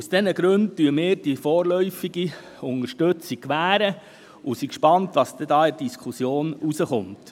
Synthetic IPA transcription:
usd̥ɛnəɡɾɵnt̚tyəmɪːɾd̥ifɔːɾlœʏfiɡi | ʊnəɾʃtɵt͡sikʋæːɾə | usikʃpɑntʋɑsd̪ɛdɑːɪd̥iskʰχusjoːnusəχʊnt

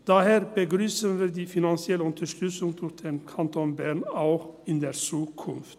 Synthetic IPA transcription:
d̪̥æheːɾbəɡɾyːsənʋɪːd̪iːfɪnɑnsɪɛləʉnt̪əʂt̪ʉsɪŋt̪ʰʊd̪ɛnkʰɑnt̪ʰonbæːɾɳaʊxɪnd̪ɛɾsuːkʰʊnft̪

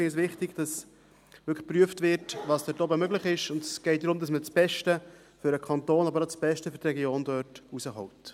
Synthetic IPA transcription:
ɪns̬ʋɪχtɪɡd̥ɑs | ʋʏkχpɾyəftvɪrtʋɑːsd̥̪ɛtɔbəmøɡləχɪʃʊndɛsɡ̥ɛɪt̚dɾʊmd̪ɑsmət͡sb̥ɛʃtə | fʏɾəkʰɑntoːnɑbəɾat͡sb̥ɛʃtəfʏɾtɾɛɡjoːnd̥œːrtusəɦɔwt

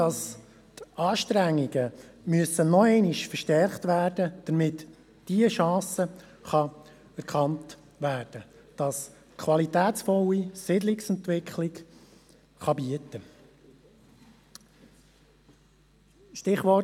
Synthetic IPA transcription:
d̥ɑs | tɑːʃtɾæŋːiɡəmyəsənɔɛɪnɪʃfəɾʃtɛrχtʋæːrd̥əd̥əɾmɪt | d̥iəʃɑ̃ːsə | χɑ | ɛɾkʰɑnt | ʋæːɾd̥ə | d̥ɑs | kʰʋɑlitæːt͡sfɔlisɪdlɪksɛntʋɪkʰχlɪk | χɑbiətə | ʃtɪχʋɔ

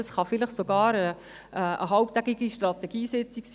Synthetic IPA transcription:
sχɑfɪləχsoɡɑːɾə | əə̰ɦɑwp̚t̪æɡiɡiʃtrɑt̪ɛɡ̥iːsɛt͡siks

